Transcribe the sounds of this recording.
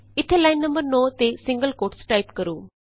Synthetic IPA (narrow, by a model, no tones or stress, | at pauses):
ɪt̪ʰːelaːɪnːə̃mbəɾnoːt̪esɪ̃ŋɡəlkoːʈsʈaːɪpkəɾuː